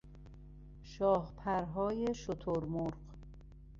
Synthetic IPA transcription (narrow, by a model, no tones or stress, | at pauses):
ʃɒːhpʰæɾɦɒːjeʃot̪ʰoɾmoɾɢ